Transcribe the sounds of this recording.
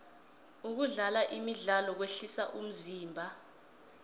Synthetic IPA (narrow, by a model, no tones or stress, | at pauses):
uk̬uɮalaʔimiɮalɔk̬weɬisaʔum̩ziːmbʱa